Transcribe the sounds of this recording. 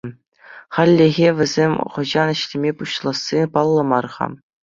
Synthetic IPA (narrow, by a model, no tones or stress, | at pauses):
χɑlʲːeɣʲeʋʲɘ̆zʲemʲχɤ̆ʑɑnɘ̆ɕlʲimʲepuɕlˠɑsːipɑlˠːɤ̆mɑrʁɑ̰